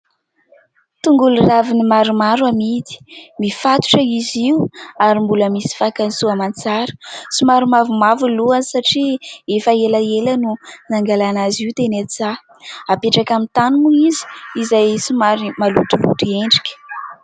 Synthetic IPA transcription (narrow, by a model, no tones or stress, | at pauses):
t̪uŋɡuluravinimaɾumaɾwamid̪i̥mifat̪u̥ʈ͡ʂəiziuaɾimbuləmisi̥fakanisuamant͡saɾə̥simaɾumavumavuluansaʈ͡ʂiefaelaelənunaŋɡalanaziwt̪enat͡sa | apeʈ͡ʂakamint̪anumuizi̥izajsimaɾimalṵʈ͡ʂulṵʈ͡ʂieɳɖ͡ʐi̥kʲə̥